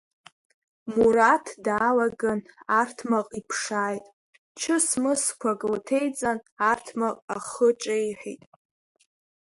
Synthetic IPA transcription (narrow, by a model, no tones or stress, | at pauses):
muɾatʰdaːlaɡanartʰmaqʼipʰʂaːjtʼ | t͡ʃʰɨsmɨskʷʰakʼltʰe̞jt͡sʼanartʰmaqʼaχət͡ʃʼajħʷᶣḭtʼ